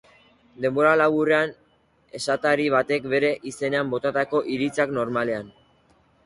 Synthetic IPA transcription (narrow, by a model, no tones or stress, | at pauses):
d̪e̞mbo̞ɾalaɣurean | e̞sat̪aɾiβ̞at̪e̞kbe̞ɾe̞ʔise̞ne̞ambo̞t̪at̪ako̞ʔiɾit͡sakno̞ɾmale̞an